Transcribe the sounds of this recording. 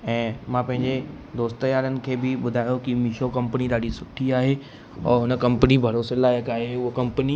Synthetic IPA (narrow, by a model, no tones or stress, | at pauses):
ɛ̃ːmãpɐ̃ɦɪ̃ɲd͡ʑe | d̪oːst̪əjaːɾənɪ̆kʰeːbɪɓʊd̪ʱaːjokimiʃokɐ̃mpəniɗ̪aːɖisʊʈʰiaːɦe | ɔ̰ːɾɦʊnə̆kɐ̃mpənibʱɐɾoːselaːjəkaːɦeʊɦokɐ̃mpəni